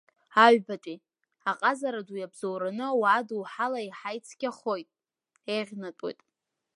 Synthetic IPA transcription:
aɥᶣbatʼi | aqʼazaɾadujabzowɾanɨwaːduwħalaiħajt͡sʰɡ̥ʲaχo̞jtʼ | eʁʲnatʼo̰jtʼ

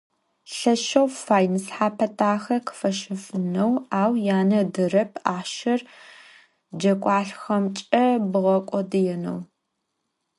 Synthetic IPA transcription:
ɬɐʃɐwfaːjnɨsħaːpʰɐtʰʼaːxɐkʰɨ̥fɐʃɪfɨnɐwaːwjaːnɐdɨrɐp̚ʰaːʃɐr | d͡ʒɐkʷʼɑːɬxɐmt͡ʃʼɐbɨʁɐkʷʼɔdɨjɛnɐ̰w

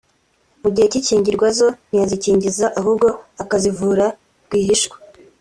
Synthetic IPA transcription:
muɟiheciciːɲɟiɾɡwazo̞n̥ijaziciːɲɟizaʔaɦubɡo̞akazivuːɾa | ɡwiːɦiʃɡwe̥

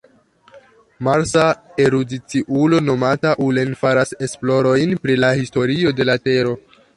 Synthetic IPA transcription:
maɾsae̞ɾudit͡siʔulo̞no̞mataʔule̞nfaɾase̞splo̞ɾo̞jnpɾilahisto̞ɾio̞de̞late̞ɾo̞

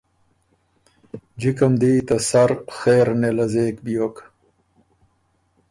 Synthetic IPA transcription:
d͡ʑikɐmd̪iːt̪ɐsɐɾxeːɾnelɐzeːkbijoːk

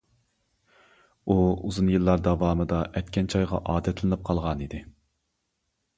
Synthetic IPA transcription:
uuzunjɨlˠːɑɾd̪ɑvɑːmɨd̪ɑʔɛt̪kʲʰɛnt͡ʃʰɑjʁɑ̰ʔɑːd̪ɛt̪ʰlɨnɨp̚qʰɑlˠʁɑnid̪ɪ

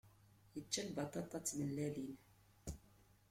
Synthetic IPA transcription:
jət͡ʃːælbɑt̪ˤɑt̪ˤɑt͡sːməlːælin

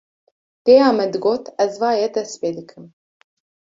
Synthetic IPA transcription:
t̪eːjaːmɛd̪ɨɡoːt̪ɛzvɑːjɛd̪ɛspeːd̪ɨkʰɨm

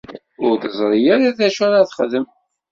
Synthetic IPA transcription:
ʊɾθəzˤɾˤijaɾaðæʃæɾaθχəðəm

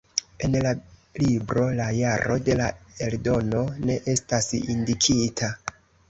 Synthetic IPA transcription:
e̞nlalibɾo̞lajaɾo̞de̞lae̞ldo̞no̞ne̞ʔe̞stasḭndikʰitʰa

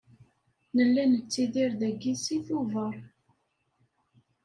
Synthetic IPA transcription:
nəlːænət͡sːiðiɾðæɡːisiθuvəɾˤ

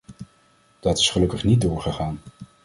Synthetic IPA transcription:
d̥ɑtɪ̥sχəlɵkəχnit̚dʊːɹχəχaːn

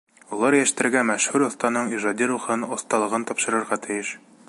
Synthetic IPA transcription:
ulˠɑɾjæʃt̪ɘ̆ɾɡæmæʃhʉɾŏθt̪ɑnɤɴiʒɑd̪ʲiɾuχɤnŏθt̪ɑlˠɤ̆ʁɤnt̪ɒpʃɤ̆ɾɤ̆ɾʁɑt̪ʰɘ̆jɘʃ

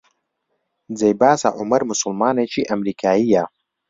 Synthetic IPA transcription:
d͡zejbaːsa̰ʔʊmɐɾmʊsʊlmaːnet͡ʃiːʔɐmɾiːkʰaːjija

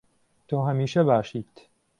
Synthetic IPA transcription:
t̪oːɦɐmiːʃɐbaːʃiːt̪

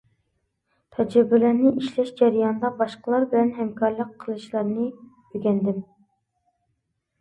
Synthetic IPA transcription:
t̪ʰɛd͡ʒɛbːɪlæɾnɪʔiʃlɛʃd͡ʒɛɾijɑnd̪ɑbɑʃqəlˠɑɾbɪlɛnɦɛmkʰɑɾlˠəqʰːəlˠɨʃlˠɑɾnɨ | øɡʲɛnd̪ɪm

